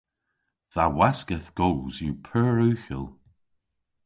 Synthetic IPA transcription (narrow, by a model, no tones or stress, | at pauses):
ðawaskəθɡ̥oːzjupʰɜːɹʉːxə̰lˠ